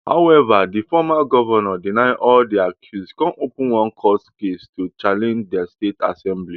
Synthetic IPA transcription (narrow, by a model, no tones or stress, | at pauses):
ha̰ʊɛvadifɔmaɡɔvɔnɔdinaɪʔɔldiakʰjuskɔ̃nʔopũnwɔ̃nkʰɔskestut͡ʃalɛ̃nd͡ʒdɛsteta̰sɛ̃mbli